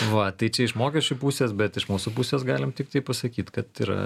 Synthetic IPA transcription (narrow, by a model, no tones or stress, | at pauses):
ʋɐt̪ɐɪt͡ʃʲɛɪʃmoːkʲɛʃʲt͡ʃʲʊpuːsʲeːsbʲɛt̪ɪʃmuːsupuːsʲeːsɡɑːlʲɪmt̪ʲɪk̚t̪ɐɪpɐsɐkʲiːt̪kɐt̪iɾɐ̰